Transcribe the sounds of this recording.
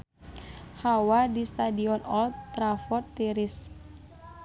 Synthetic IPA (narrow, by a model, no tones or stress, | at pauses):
hawadist̪adiɔnɔlt̪ɾafɔrt̪ːiɾis